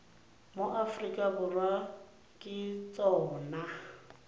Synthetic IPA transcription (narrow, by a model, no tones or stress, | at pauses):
moʔafrikʼabʊrwa | kʼɪt͡sʼɔːna